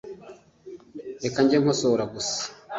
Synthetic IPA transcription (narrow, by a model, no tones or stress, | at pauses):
ekaɲɟeŋ̥hosoɾaɡusḁ